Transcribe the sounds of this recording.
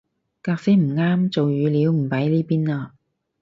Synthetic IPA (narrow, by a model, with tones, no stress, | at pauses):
kaː˧k̚se˥m̩˨˩ŋaː˥mt͡so˨wjyː˨˧liː˨˧wm̩˨˩pɐ˨˥jliː˥piː˥naː˧